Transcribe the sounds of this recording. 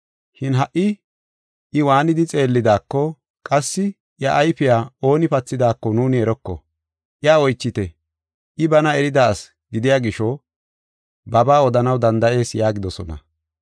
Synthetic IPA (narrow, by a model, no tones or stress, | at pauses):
ʃɪnɦɐʔːɪ | ʔɪwaːnɪd̪ɪt͡sʼe̞ːlːɪd̪aːkːɔ | kʼɐsːɪ | ʔjɐʔːjfɪjaːo̞ːnɪpɐt͡sːɪd̪aːkːɔnuːnɪɛɾɔkːɔ̰ | ʔɪjaːɔjt͡ʃːɪt̪ɛ | ʔɪbɐnɐɛɾɪd̪as | ɡɪd̪ɪjaːɡɪʃɔ | bɐbaːɔd̪ɐnɐwd̪ɐnd̪ɐʔe̞ːsjaːɡɪd̪ɔsɔnɐ̰